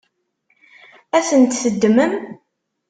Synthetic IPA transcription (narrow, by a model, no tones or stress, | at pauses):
æθənt̪θəd̪ːməm